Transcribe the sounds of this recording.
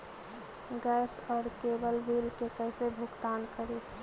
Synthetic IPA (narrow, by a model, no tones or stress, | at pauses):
ɡɛsɔːɾkebəlbilkekəɪsebʱukt̪ankəɾit̪ʰ